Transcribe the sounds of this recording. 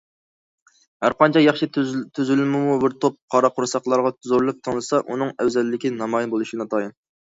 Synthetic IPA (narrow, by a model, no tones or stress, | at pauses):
hæɾqɑnt͡ʃʰɑjɑχʃit̪ʰyzylɪmɪmubɪɾt̪ʰop̚qʰɑɾɑqʊɾsɑχlˠɑɾʁɑt̪ʰyzoɾlˠɨp̚t̪ʰəŋlˠɨsɑʔun̪ɨŋɛwzɛlːɪkʲinɑmɑjinbolˠuʃinɑt̪ʰɑjɨn